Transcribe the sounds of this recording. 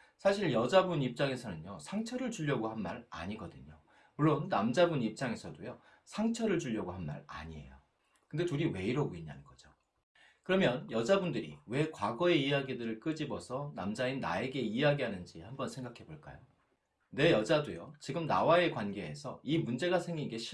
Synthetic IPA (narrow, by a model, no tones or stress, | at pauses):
sʰaɕʰiɭjʌd͡ʑabunip̚t͡ɕ͈aŋe̞sʰʌnɯɲjosʰaŋt͡ɕʰʌɾɯɭt͡ɕuʎːʌɡohanma̰ɾa̰ɲiɡʌdɯɲo | muɭːonːamd͡ʑabunip̚t͡ɕ͈aŋe̞sʰʌdojo | sʰaŋt͡ɕʰʌɾɯɭd͡ʑuʎːʌɡoɦanma̰ɾa̰ɲie̞̰jo | kɯnde̞tuɾiwe̞iɾʌɡoiɲa̰nɯnɡʌd͡ʑo | kɯɾʌmjʌnjʌd͡ʑabundɯɾḭwe̞kwaɡʌe̞ijaɡidɯɾɯɭk͈ɯd͡ʑibʌsʰʌna̰md͡ʑainːa̰e̞ɡe̞iaɡiɦanɯnd͡ʑihambʌnsʰe̞ŋɡakʰe̞boɭk͈a̰jo | ne̞jʌd͡ʑadojo̰t͡ɕiɡɯmna̰wae̞kwanɡe̞esʰʌ̰imund͡ʑe̞ɡasʰe̞ŋɡinɡe̞ɕʰ